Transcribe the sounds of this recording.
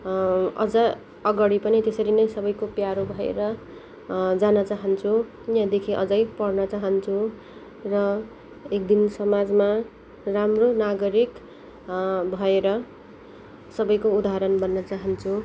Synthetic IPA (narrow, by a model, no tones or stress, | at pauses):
ʌ̰d͡zʌ | ʌɡʌɽipʌnit̪esʌɾinʌjsʌbʌjkopjaɾobʱʌḛɾʌ | d͡zanʌt͡saɦʌnt͡sʰu | jãd̪ekʰiʔʌd͡zʌjpʌrnʌt͡saɦʌnt͡sʰu | rʌ | ekd̪insʌmad͡zma | ramronaɡʌɾik | bʱʌeɾʌ | sʌbʌjkoud̪aɦɾʌnbʌnːʌt͡saɦʌnt͡sʰu